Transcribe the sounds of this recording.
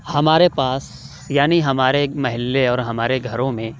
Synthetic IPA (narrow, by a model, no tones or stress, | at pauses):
hɐmaːɾepaːs | jaːniɦɐmaːɾemɐɦɪlːeɔːɾɦɐmaːɾeɡʱɐɾõmẽ